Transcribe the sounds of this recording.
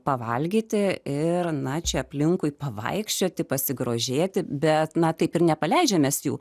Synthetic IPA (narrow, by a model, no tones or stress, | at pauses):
pɐʋɐlʲɡʲiːt̪ʲɪɪrnɐt͡ʃʲɛɐpʲlʲɪŋkʊɪpɐʋɐ̰ɪkʃʲt͡ʃʲoːt̪ʲɪpɐsʲɪɡɾoːʒʲeːt̪ʲɪbʲɛt̪nɐt̪ɐɪpɪnʲɛpɐlʲɛɪd͡ʒʲɛmʲeːsjuː